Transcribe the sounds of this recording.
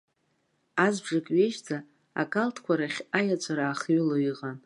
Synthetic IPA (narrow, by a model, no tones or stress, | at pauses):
azbʐakʼɥeʃd͡zʼa | a̰kʼaltʰkʷaɾaχʲajat͡ʃʷʰʼaɾaːχɥɪloiqʼan